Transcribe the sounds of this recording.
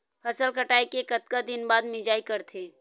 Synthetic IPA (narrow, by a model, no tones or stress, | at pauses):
pʰɐsəlkəʈaːikekət̪kad̪ɪnbaːd̪mɪd͡ʒaːikəɾt̪ʰeː